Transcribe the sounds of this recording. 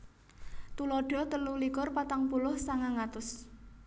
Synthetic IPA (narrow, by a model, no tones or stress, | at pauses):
t̪ulɔɖ̥ɔ̤t̪əlulikʊrpat̪aŋpulʊhsaŋaŋat̪ʊs